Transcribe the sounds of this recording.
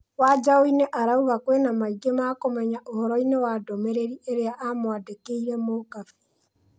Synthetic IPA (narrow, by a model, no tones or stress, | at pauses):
wad͡ʒaoineʔaɾauβakwenamaiɡemakomɛɲaʔohɔɾɔinewadomeɾeɾiʔeɾeaʔamwadekeiɾɛmokafe̥